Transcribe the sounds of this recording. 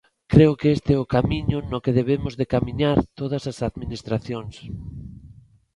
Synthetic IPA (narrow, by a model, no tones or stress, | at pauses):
kɾeʊkeest̪eɛʊkamiɲʊnokeðeβemʊzðekamiɲaɾt̪oð̞ɐsasaðminist̪ɾaθjoŋs